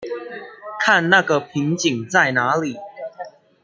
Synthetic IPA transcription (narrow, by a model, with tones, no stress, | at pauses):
kʰa˥˨nna˥˨ɡə˨pʰi˨˦ŋt͡ɕi˨˩ŋt͡sa˥˩ɪna˧˦li˨˩˦